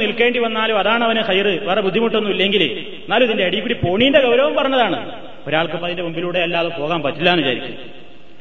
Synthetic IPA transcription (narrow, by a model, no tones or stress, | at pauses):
nilke̞ːɳɖiʋɐnːaːluɐðaːɳɨɐʋɐnɨxɐjrɨʋerebud̪ʱːimuʈːenːuilːe̞ŋɡil | naːluðindeɐɽijkːuːɽipo̞ːɳijindeɡɐwɾɐʋɐmpɐrɐɲːɐðaːɳɨ̰ | o̞ɾaːɭkɨpːɐðindebumbiluːɽe̞ɐlːaːðupo̞ːɣaːmpɐtːilːaːnut͡ɕa̰ːɾikʲːṵnɐ